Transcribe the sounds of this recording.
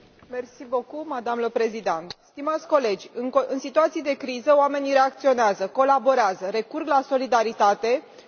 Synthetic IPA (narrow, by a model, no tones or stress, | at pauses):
mersibokumad̪amləpɾe̞zid̪ent̪st̪imat̪sʲko̞le̞d͡ʒʲɨnɨnsit̪uat̪sijed̪e̞kɾizəoame̞nʲiɾe̞ak̚t̪sio̞neazəko̞labo̞ɾeazəɾe̞kurɡlaso̞lid̪aɾit̪at̪e̞